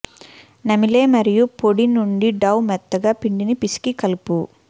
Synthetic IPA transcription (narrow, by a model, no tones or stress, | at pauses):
nɐmile̞ːmɐɾijupoɽinuɳɖiɖɐwmɛt̪ːɐɡaːpiɳɖinipisi̥kikɐlupu